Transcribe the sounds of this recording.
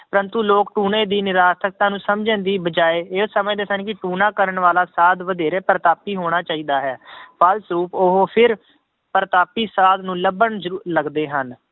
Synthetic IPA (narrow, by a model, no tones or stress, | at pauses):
pəɾənt̪uːloːkʈuːneːd̪iːnɪɾaːt̪ʰək̚t̪ãːnũːsəmd͡ʒənd̪iːbəd͡ʒaːeːɪsəmẽːd̪eːsənkɪʈuːnãːkəɾəɳʋaːlaːsaːd̪ʋəd̪eːɾeːpəɾt̪aːpiːɦoːɽ̃aːt͡ʃaːiːd̪aːɦɛːpʰalsɾuːpoɦopʰɪɾ | pəɾt̪aːpiːsaːd̪nũːləbəɳzəɾuːɾləɡd̪eːɦən